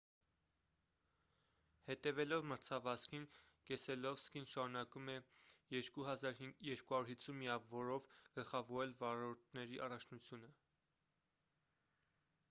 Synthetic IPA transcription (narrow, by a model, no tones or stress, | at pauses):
hɛt̪ɛvɛlɔvməɾt͡sʰɑvɑskʰin | kɛsɛlɔvskinʃɑɾunɑkumɛjɛɾkuɦɑzɑɾjɛɾkuhɑɾuɾhit͡sʰːunmijɑvɔɾɔvɡ̥əlχɑvɔɾɛlvɑɾɔɾt̪̚ʰnɛɾiʔɑrɑt͡ʃʰnut͡sʰjunə